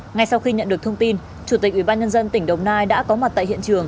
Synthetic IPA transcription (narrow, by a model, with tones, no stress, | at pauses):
ŋa˨˩jsa˧wxi˧ɲə̰˧˨nɗɨ˨˩əkt̪ʰə˧wŋ͡mt̪i˧n | t͡ɕu˧˩t̪i˨˩k̚ʔwi˧˩ɓaː˧nɲə˧nzə˧nt̪ï˧˩ŋ̟ɗə˨˩wŋ͡mnaː˧jɗa̰ː˧˥kɔ˨˦ma˨˩t̚t̪a̰ː˧˨jhḭ˧˨ənt͡ɕɨ˨˩əŋ